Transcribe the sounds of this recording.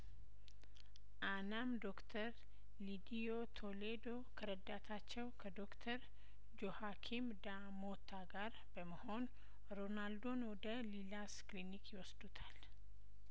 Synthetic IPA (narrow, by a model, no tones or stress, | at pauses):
ʔanamd̪okt̪ʰəɾ | lid̪iot̪ʰoled̪o̞kʰəɾəd̪at̪ʰat͡ʃːɛwkʰəd̪o̞kt̪ʰəɾ | d͡ʒohakʰimd̪a | mot̪ʰːaɡaɾ | b̥əməho̞n | ɾonald̪o̞nwɔd̪əlilasklinikjɪwɔsd̪ut̪ʰal